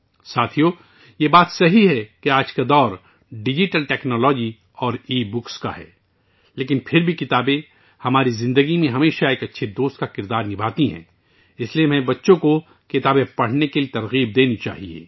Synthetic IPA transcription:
saːt̪ʰijoː | jebaːt̪sɐɦiɦɛkeaːd͡ʒkad̪ɔːɾ | ɖɪd͡ʒɪʈəlʈɛːknɔːlɔːd͡ʒi | ɔːɾiːbʊkska̰ɦɛ̰ː | leːkɪnpʰɪɾbʱikɪt̪aːbe | hɐmaːɾizɪ̃nd̪əɡimẽɦɐmeːʃaeːkɐtːʃʰed̪oːst̪̚kakɪɾd̪aːɾnɪbʱaːt̪iɦɛ̰̃ː | ɪsliemɛebɐtːʃõko | kɪt̪aːbepɐɽ̤nekeliet̪ɐɾɣiːb̚d̪eːnit͡ʃa̰ːɦiḛː

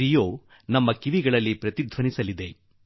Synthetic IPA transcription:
ɾijoː | nɐmːɐkiʋiɡɐɭɐlːipɾɐt̪id̪ʱʋɐnisɐlid̪e̞

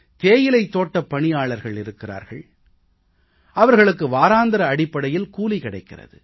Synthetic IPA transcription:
t̪eːjɪlɐɪt̪ːoːʈːɐpːɐɳɪjaːɭɐɾɣɐɭɪɾɯkːɪra̰ːɾɣɐɭ | ɐʋɐɾɣɐɭɯk̬ːɯʋaːɾaːnd̪ɐɾɐːɽɪpːɐɽɐjɪlkuːlikɪɽɐɪkːɪrɐ̰ðɯ̰

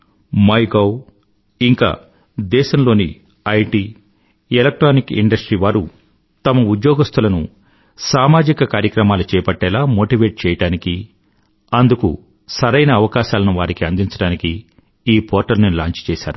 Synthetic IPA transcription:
mɐjɡɐw | iŋka̰ː | d̪ɛːʃɐmlo̞ːnḭ | ɐjʈiː | elɐk̚ʈɾoːnikḭɳɖɐsʈɾiːʋaːɾu | t̪ɐmɐud̪joːɡɐst̪ʰɐlɐnu | saːmaːd͡ʒikɐkaːɾjɐkɾɐmaːlut͡ʃɛːpɐʈːɛːlaːmoːʈiːʋeːʈ̚t͡ʃɛːjɐɽaːniki | ɐnd̪ukṵ | sɐɾɐjnɐːʋɐkaːʃaːlɐnuʋaːɾikiɐnd̪iɲt͡ʃɐɽaːniki | iːpʰɔːɾʈɐlnilaːɲt͡ʃt͡ʃɛːʃaːɾu

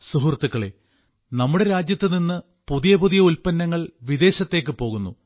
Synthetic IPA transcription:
suɦurt̪ːukːɐɭḛ | nɐmːuɽe̞ɾaːd͡ʑjɐt̪ːɨninːɨ | puðijɐpuðijɐulpɐnːɐŋːɐɭʋid̪e̞ːɕɐt̪ːe̞ːk̬ːɨpo̞ːɣunːṵ

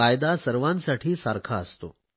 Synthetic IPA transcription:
ajd̪asəɾʋãnsaʈʰiːsaɾkʰaəst̪o̰

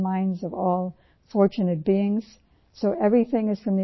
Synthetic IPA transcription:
mãɪ̃ndzʌvɔlˠ | fɔɹt͡ʃɨnɨt̚b̥iɪ̃ŋz̥ | soʊʔɛvɹiθɪ̃ŋɨz̥fɹʌ̃mði

